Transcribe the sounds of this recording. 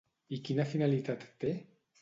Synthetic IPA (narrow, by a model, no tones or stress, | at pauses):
ikinafinalit̪at̪ːe